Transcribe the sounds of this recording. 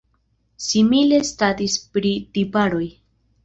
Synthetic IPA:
simile̞statispɾitipaɾo̞j

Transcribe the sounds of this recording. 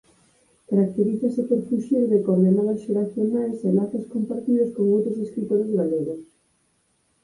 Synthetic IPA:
kaɾak̚t̪eɾiθɐsɪpoɾfuʃiɾðekɔβenɔβɐsʃeɾaθjonajsemaɾkaskompaɾt̪iðʊskoŋowt̪ɾʊseskɾit̪oɾɪzɣaleɣʊs

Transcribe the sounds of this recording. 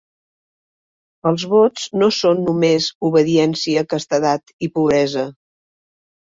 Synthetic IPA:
əlˠzβot͡snosonːumezuβəðiɛnsiəkəst̪əðat̪ipuβɾɛzə

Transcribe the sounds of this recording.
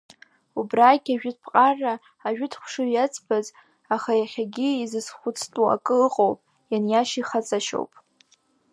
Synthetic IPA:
ubraɡʲaʒᶣʊt̚ʰʼpʰqʼarːaː | ʒᶣʊdʰχʷʂɨjat͡sʰʼbaz | aχajaχʲaɡʲɪizɨsχʷʊt͡sʰtʼua̰kʼɨɨqʼowpʼ | janjaʃiχat͡sʼaʃo̰wpʼ

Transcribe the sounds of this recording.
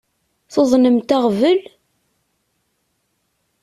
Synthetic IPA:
θoðˤnəmt̪aʁvəl

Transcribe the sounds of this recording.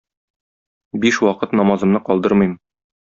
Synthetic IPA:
biʃwɒqɤt̪nɒmɑzɤ̆mnɤqɒlˠd̪ɤɾmɤjm

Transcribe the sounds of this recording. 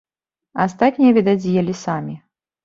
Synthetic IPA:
ast̪atʲnʲijɛvʲɛd̪ad͡zʲijɛlʲisamʲi

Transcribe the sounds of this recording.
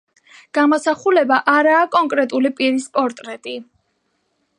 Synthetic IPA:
ɡ̥amɔsaχulɛbaʔaɾaːkʼɔŋkʼɾɛt̪ʼulipʼiɾispʼɔɾt̪ʼɾɛt̪ʼi

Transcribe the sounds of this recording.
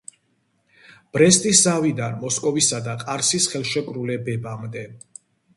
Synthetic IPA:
b̥ɾɛst̪ʼiszavid̪anmɔskʼɔvisad̪aqʼaɾsisχɛlˠʃɛkʼɾulɛbɛbamd̪ɛ

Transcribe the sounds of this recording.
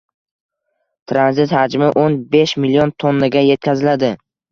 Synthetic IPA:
t̪ʰɾanzɪt̪had͡ʒmɪʔonbeʃmilijont̪ʰonːaɡʲaje̞t̪̚kʲʰazɪlad̪ɪ

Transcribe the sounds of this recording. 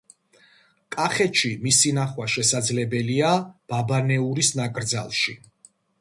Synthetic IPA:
kʼaχɛt̪ʃimisinaχwaʃɛsad̪zlɛbɛliab̥abanɛuɾisnakʼɾd̪za̰lˠʃi

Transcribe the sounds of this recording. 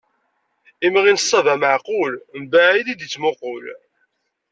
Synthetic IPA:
imʁinsˤːɑvæməʕqʊlmbæʕiðid̪it͡sːmʊqʊl

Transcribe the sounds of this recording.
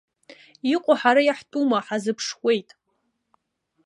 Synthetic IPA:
iqʷʼʊħaɾajaħtʼumaħazɨpʰʂχʷe̞jtʼ

